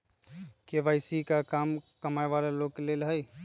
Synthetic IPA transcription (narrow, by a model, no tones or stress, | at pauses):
keʋaːɪsikakaːmkəmaːjʋaːleloɡ̚kelelɦəj